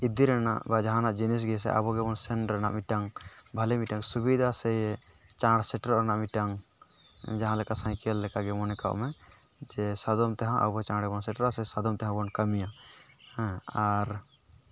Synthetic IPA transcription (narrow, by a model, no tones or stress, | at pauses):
id̪iɾɛna̰ʔbad͡ʒaɦanaʔd͡ʒinis̬ɡɛs̬ɛ̰ʔa̰bɔɡɛbɔnsɛnɾɛna̰ʔmiʈaŋbʱalɛmiʈaŋsubid̪ʱasɛjɛ | t͡ʃãɽsɛʈɾɔʔɾɛnaʔmiʈaŋ | d͡ʒaɦãlɛkasãj̃kɛlːɛkaʔɡɛmɔnɛka̰ʔmɛ | d͡ʒɛsad̪ɔmt̪ɛɦãʔa̰bɔɛt͡ʃãɽɛbɔnsɛʈɾʔasɛsad̪ɔmt̪ɛɦãbɔnkamijahɛ̃aɾ